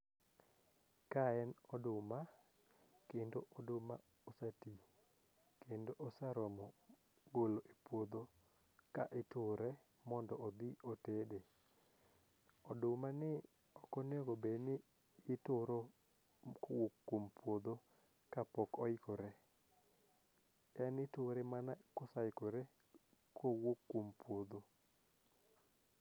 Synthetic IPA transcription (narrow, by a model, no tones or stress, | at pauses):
kaɛnɔdʊma | kendoʔɔdʊma | ɔsati | kendoʔɔsaɾɔmɔ | ɡoloʔepwod̪o | ka̰ʔɪtʊɾɛ | mɔndɔɔd̪iotede | ɔdʊmanɪ | ɔkɔneɡobenɪ | jɪtʊɾɔ | kwokːwompwod̪o | kapɔkɔɪkɔɾɛ | ɛnɪtʊɾɛmanakɔsaɪkɔɾɛ | kʰowokːwompwod̪o